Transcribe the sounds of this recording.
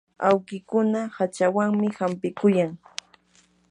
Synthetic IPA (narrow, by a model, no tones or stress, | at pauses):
awkɪkʊnahat͡ʃawaŋmɪhampɪkʊjaŋ